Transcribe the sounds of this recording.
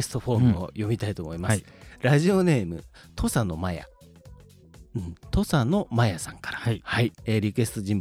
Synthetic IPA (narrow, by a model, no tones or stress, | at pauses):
sɨ̥t̪o̞ɸo̞ːmɯo̰jo̞mʲit̪ait̪oːmo̞imasɨ̥ | ɾaʑio̞ne̞ːmɯ̟̰ | t̪ʰo̞sano̞maja̰ | ɯ̟̃ɴt̪o̞sano̞majasãŋkḁɾahaieɾʲikɯ̟e̞sɨ̥t̪o̞ʑĩmb